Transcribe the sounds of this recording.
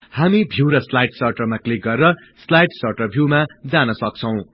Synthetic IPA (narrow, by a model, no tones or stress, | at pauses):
hamibʱiwɾʌslajʈsʌrʈʌrmaklik̚ɡʌrːʌ | slajʈsʌrʈʌrbʱjumad͡zanʌsʌk̚t͡sʰʌw̃